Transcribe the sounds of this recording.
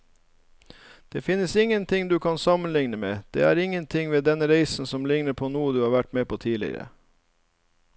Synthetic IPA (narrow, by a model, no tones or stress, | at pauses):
d̪̥eːfɪnːəsɪŋːənt̪ʰɪŋd̪ʉːkʰɑnsɑmənlɪŋnəmeːd̪̥ḛːæːɾɪŋːənt̪ʰɪŋʋeːd̪ɛnəɾeɪsn̩sɔmlɪŋnəpʰoːnuːəd̪ʉːhɑːɾʋæʈmeːpʰoːt̪ʰiːlɪ̰ə̰ɾə̰